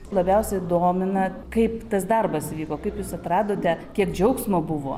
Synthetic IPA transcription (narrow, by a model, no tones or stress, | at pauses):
lˠɐbʲɛʊsʲɛd̪oːmʲɪnɐ | kɐɪpt̪ɐsd̪ɐrbɐsʋʲiːkoːkɐɪpjuːsɐt̪ɾɑːd̪oːt̪ʲɛkʲiɛkd͡ʒʲɛʊksmoːbʊʋo̰ː